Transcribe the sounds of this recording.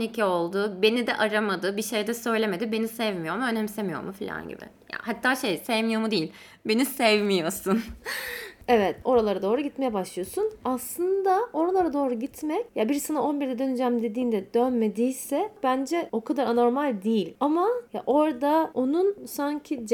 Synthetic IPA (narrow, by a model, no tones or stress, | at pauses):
nicʰio̞lˠd̪uːbe̞nid̪ɛ̰ʔaɾamad̪ɯbiʃe̞jd̪ɛsø̞jlʲe̞me̞d̪ibe̞nisɛvmijo̞ɾmuønɛmsemijo̰ɾmufilʲa̰nɟḭbɪ̰ja̰hat̪ʰːaːʃejsevmijo̞mud̪ejilʲ | be̞nisɛvmijo̞sun | evɛt̪o̞ɾalˠaɾad̪o̞ːɾuɟit̪me̞jɛbaʃlˠɯjo̞sunaslˠɯnd̪ao̞ɾalˠaɾad̪o̞ːɾuɟit̪ʰmɛcjabiɾsɯnaʔo̞nbiɾd̪ɛd̪ø̞nyd͡ʒæmd̪e̞d̪iːnd̪ɛd̪ønme̞d̪ijsɛb̥ænd͡ʒɛo̞kʰad̪aɾano̞ɾmalʲd̪ijilʲamaja̰ʔo̞ɾd̪ao̞nunsaɲcʰid͡ʒ